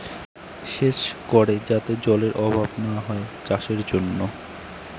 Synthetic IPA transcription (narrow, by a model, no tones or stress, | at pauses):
ʃeʃkɔɾed͡ʑat̪ed͡ʑɔleɾʔɔbʱabnaoaɦɔet͡ɕaʃeɾd͡ʑonːo